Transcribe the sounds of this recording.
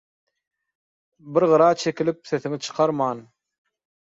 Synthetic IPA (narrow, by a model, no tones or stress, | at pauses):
biɾʁɯɾɑːt͡ʃʰe̞kilip̚θe̞θiŋit͡ʃʰɯ̥qʰɑɾmɑːn